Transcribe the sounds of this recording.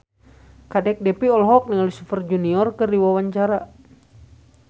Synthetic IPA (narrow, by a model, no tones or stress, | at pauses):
kadɛk̚dɛpiɔlɦɔk̚niŋalisufərd͡ʒuniɔrkɨrdiwawaɲt͡ʃaɾa